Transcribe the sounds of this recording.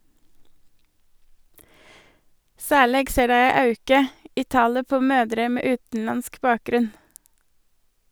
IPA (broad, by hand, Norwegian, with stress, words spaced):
ˈsæːˌɭeːɡ ˈseː ˈdæɪ ˈæɪ ˈɑʉkə ˈiː ˈtɑːlə ˈpoː ˈmøːdɾə ˈmeː ˈʉːtn̩ˌlɑnsk ˈbɑːˌkɾʉn